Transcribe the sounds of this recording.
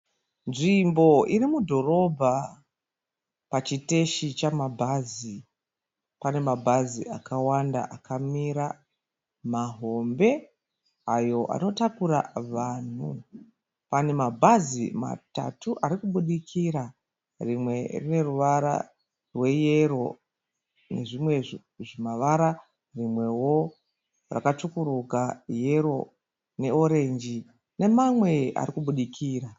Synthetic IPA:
nʐimbo̞irimudʱo̞ro̞bʱa | pat͡ʃite̞ʃit͡ʃamabʱazi | pane̞mabʱazḭʔakawanda̰ʔakʰamiɾa | maɦo̞mbe̞ | ajo̞ʔa̰no̞takuɾa̰ʋaːn̤u | pane̞mabʱazima̰ta̰tuʔaɾikuɓuɗikʰiɾa | rimwe̞rine̞ruʋaɾa̰ | rwe̞je̞ɾo̞ | ne̞ʐimwe̞ | ʐimaʋaɾa | rimwe̞wo̞ | ra̰katukuɾukaje̞ɾo̞ | ne̞o̞ɾe̞nd͡ʒi | ne̞mamwe̞a̰ɾikuɓuɗikʰiːɾa

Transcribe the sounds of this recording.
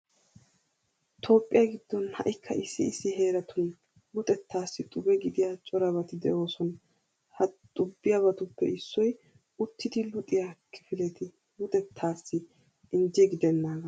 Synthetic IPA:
t̪ʰo̞ːpʼːɪjɐɡɪd̪ːɔnhɐ̰ʔɪkʰːɐʔɪsːɪːsːɪɦe̞ːɾɐt̪ʊn | lʊt̪ʼɛt̪ːaːsːɪt̪ʼʊbɛɡɪd̪ɪjat͡ʃʼɔɾɐbɐt̪ɪd̪ɛ̰ʔo̞ːsɔn | hɐt̪ʼʊbːɪjɐbɐt̪ʊpːɛ̰ɪsːɔj | ʊt̪ːɪt̪ɪlʊt̪ʼɪjakʰɪfɪlɛt̪ɪ | lʊt̪ʼɛt̪ʰːaːsːɪ | ɪnd͡ʒɛɡɪd̪ɛnːaːɡɐ

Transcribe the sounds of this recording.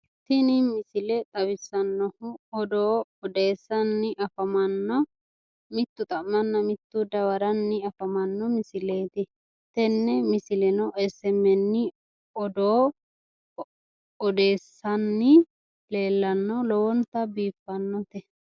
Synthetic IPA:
t̪ɪnɪmɪsɪlɛt̪ʼɐβɪsːɐnːɔhʊɔd̪oːɔd̪eːsːɐnːɪʔɐfɐmɐnːɔ | mɪt̪ːʊt̪ʼɐmːɐnːɐmɪt̪ːud̪ɐwɐɾɐnːɪɐfɐmɐnːɔmɪsɪleːt̪ɪ | t̪ɛnːɛmɪsɪlɛnɔʔɛsɛmɛnːɪ | ɔd̪oː | ɔd̪e̞ːsːɐnːɪ | le̞ːlːɐnːɔlɔwɔnt̪ːɐbiːpːɐnːɔt̪ɛ

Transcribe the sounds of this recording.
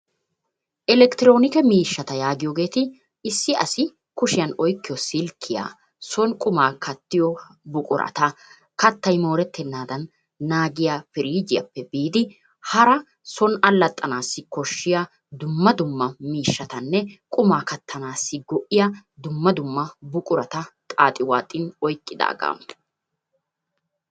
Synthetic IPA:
ʔɛlɛkt̪ɪɾoːnɪkɛmiːʃːɐt̪ɐjaːɡɪjoːɡe̞ːt̪ɪ | ɪsːɪʔɐsɪ | kʊʃɪjɐnɔjkːɪjɔsɪlkʰːɪja̰ː | sɔnkʼʊmaːkʰɐt̪ːɪjɔbʊkʼʊ̰ɾɐ̰t̪ɐ | kɐt̪ːɐjmo̞ːɾɛt̪ːɛnːaːd̪ɐnː | aːɡɪjaːfɪɾiːd͡ʒɪjɐ̰pːɛbiːd̪ɪ | hɐɾɐ | sɔnɐlːɐt̪ʼːɐnaːsːɪkɔʃːɪja | d̪ʊmːɐd̪ʊmːɐmiːʃːɐt̪ɐnːɛkʼʊmaːkɐt̪ʰːɐnaːsːɪɡɔʔɪjɐd̪ʊmːɐd̪ʊmːɐbʊkʼʊɾɐt̪ɐt̪ʼaːt̪ʼɪwaːt̪ʼːɪnɔjkʼːɪd̪a̰ːɡa̰ːm

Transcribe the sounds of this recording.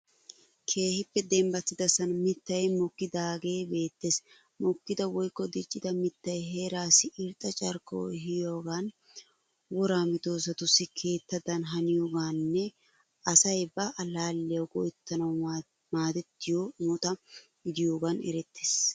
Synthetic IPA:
kʰe̞ːhɪpːɛd̪ɛmbɐt̪ːɪd̪ɐsɐnmɪt̪ːɐjmɔkːɪd̪aːɡe̞ːbe̞ːt̪ːeːs | mɔkːɪd̪ɐwɔjkːɔd̪ɪt͡ʃʼːɪd̪ɐmɪt̪ːɐjɦeːɾaːsɪʔɪɾt̪ʼːɐt͡ʃʼɐɾkːo̰ːɦɪjoːɡan | wɔɾaːmɪt̪o̞ːs̬ɐt̪ʊsːɪkʰe̞ːt̪ːɐd̪ɐnɦɐnɪjoːɡaːnːɛ | ɐsɐjbɐʔɐlaːlːɛjɐwɡɔjt̪ːɐnɐw | maːd̪ɛt̪ːɪjoːmɔt̪ɐɡɪd̪ɪjoːɡɐnɛ̰ɾɛt̪ːeːs

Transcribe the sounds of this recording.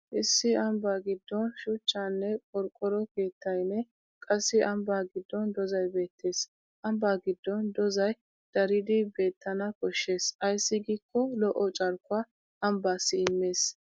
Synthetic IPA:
ʔɪsːɪɐmbaːɡɪd̪ːɔnʃʊt͡ʃːaːnːɛkʼɔɾkʼːɔɾɔke̞ːt̪ːɐjnɛ | kʼɐsːɪʔɐmbaːɡɪd̪ːɔnd̪ɔzɐjbe̞ːt̪ʰːe̞ːs | ʔɐmbaːɡɪd̪ːɔnd̪ɔzɐj | d̪̥ɐɾɪd̪ɪbe̞ːt̪ʰːɐnɐkɔʃːe̞ːsɐjsːɪɡikːɔlɔʔɔt͡ʃʼɐɾkʊaː | ʔɐmbaːsːɪɪmːe̞ːs

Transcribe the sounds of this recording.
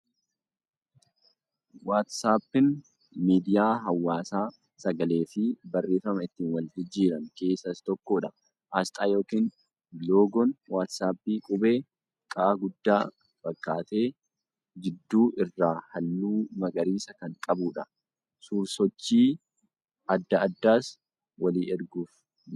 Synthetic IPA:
waːt̪saːpːɪn | miːd̪ɪjaːɦɐwːaːsaː | sɐɡɐle̞ːfɪbɐrːe̞ːfɐmɐɪt̪ːiːnwɐld͡ʒ̪ɪd͡ʒiːɾɐnke̞ːsɐst̪ɔkːoːᶑɐ | ʔɐst̪ʼaːjo̞ːkiːn | loːɡɔnwaːt̪saːbiːkʼʊbe̞ː | kʼaːɡʊd̪ːaː | fɐkːaːt̪e̞ː | d͡ʒɪd̪ːuːʔɪrːaːhɐlːuːmɐɡɐɾiːsɐkɐŋkʼɐbuːᶑɐ | suːɾsɔt͡ʃːiː | ʔɐd̪ːɐɐd̪ːaːs | wɐliːɛɾɡuːf

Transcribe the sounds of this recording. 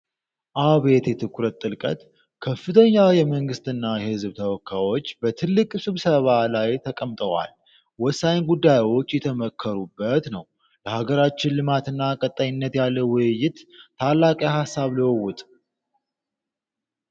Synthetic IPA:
ʔaβe̞t̪jɛt̪ʰɨkʰːuɾət̪ʼtʼːɨlkʼə̰t̪ | kʰəfːɨt̪ʰəɲːajɛməŋɡɨst̪ʰɨnːajɛhɨzbt̪ʰəwɔkʰːawo̞t͡ʃːbət̪ʰɨlːɨkʼsɨβsəβalajt̪ʰəkʼəmt̪ʼəwa̰l | wɔsːajnɡud̪ːajwo̞t͡ʃːjɛt̪ʰəməkʰːəɾubːət̪nəw | ləhaɡəɾat͡ʃːɪnlɨmat̪ɨnːakʼət̪ʼːaɲɪnːət̪jalːəwʊjɪt̪t̪ːʰalːakʼjahasːaβliwɔwːʊt̪ʼ

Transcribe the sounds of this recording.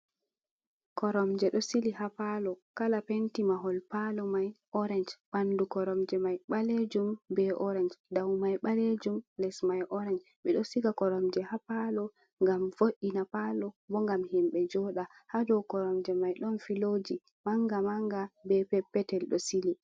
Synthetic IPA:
kɔɾɔmd͡ʒɛɗɔsilihapalɔkalapentimaɦɔlpalɔmajʔɔɾɛnd͡ʒbandukɔɾɔmd͡ʒɛmajɓaled͡ʒumbɛʔɔɾɛnd͡ʒdawmajɓaled͡ʒumlɛsmajʔɔɾɛnd͡ʒ | ɓɛɗɔsiɡakɔɾɔmd͡ʒɛhapalɔ | ŋɡamfoʔinapalɔbɔŋɡamhimɓɛd͡ʒɔɗahadɔwkɔɾɔmd͡ʒɛmajɗɔnfilod͡ʒi | maŋɡamaŋɡabɛpɛpːɛtɛlɗɔsili

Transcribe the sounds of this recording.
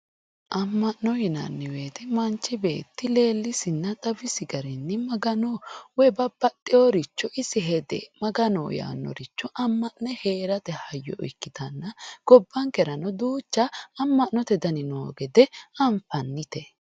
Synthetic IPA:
ʔɐmːɐʔnːɔhɪnɐ̰nːɪwe̞ːt̪ɪmɐnt͡ʃːɪbe̞̰ːt̪ːɪle̞ːlːɪsɪnːɐt̪ʼɐbɪsɪɡɐɾɛnːɪmɐɡɐnowɔbɐb̥ɐt̪ʼːɪjoɾɪt͡ʃːɔʔɪsɪɦɛd̪ɛ̰mɐɡɐno̰ːja̰ːnːɔ̰ɾɪt͡ʃːɔʔɐmːɐʔnɛhe̞ːɾɐt̪ɛhɐjːɔ̰ʔɔ̰jkːɪt̪ɐnːɐɡ̥ɔbːɐŋkɛɾɐnɔd̪uːt͡ʃːɐːmːɐʔnɔt̪ɛd̪ɐnɪnoːɡɛd̪ɛɐɱfɐnːɪt̪ɛ

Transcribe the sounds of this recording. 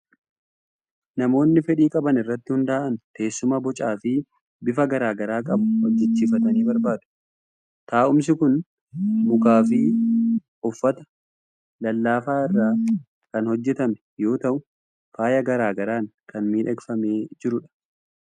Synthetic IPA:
nɐmo̞ːnːɪfɛɗiːkʼɐbɐnɪrːɐt̪ːɪhʊnd̪aːʔɐnt̪e̞ːsːʊmɐbɔt͡ʃʼaːfɪ | bɪfɐɡɐɾaːɡɐɾaːkʼɐbʊhɔd͡ʒːɛt͡ʃːiːfɐt̪ɐniːbɐɾbaːd̪ʊ̥ | t̪aːʔʊms̬ɪkʊn | mʊkaːfɪ | ʊfːɐt̪ɐ̥ | lɐlːaːfaːɪrːaː | kɐnhɔd͡ʒːɛt̪ɐmɛ̥ | jo̞ːt̪ɐʔʊ | faːjɐɡɐɾaːɡɐɾaːŋkɐnmiːᶑɐɡfɐme̞ːd͡ʒɪɾʊᶑɐ̥

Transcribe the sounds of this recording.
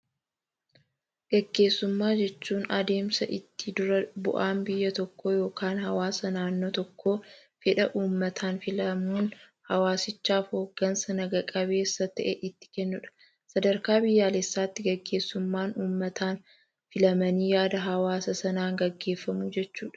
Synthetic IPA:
ɡ̥ɐɡːe̞ːsːʊmːaːd͡ʒɛt͡ʃːuːnɐd̪e̞ːmsɐʔɪt̪ːɪd̪ʊɾɐbʊ̰ʔaːmbɪjːɐt̪ɔkːoːjo̞ːkaːnhɐwaːsɐnaːnːoːt̪ɔkːo̞ː | fɪᶑɐʔuːmːɐt̪ʰaːnfɪlɐmuːn | hɐwaːsɪt͡ʃːaːfho̞ːɡ̥ːɐnsɐnɐɡɐkʼɐbe̞ːsːɐt̪ɐʔɛʔɪt̪ːɪ̥kɛnːʊᶑɐ̥ | sɐd̪ɐɾkaːbɪjːaːlesːaːt̪ːɪɡɐɡːe̞ːsːʊmːaːnuːmːɐt̪aːn | fɪlɐmɐniːjaːd̪ɐɦɐwaːsɐsɐnaːŋɡɐɡːe̞ːfːɐmuːd͡ʒɛt͡ʃːuːᶑɐ

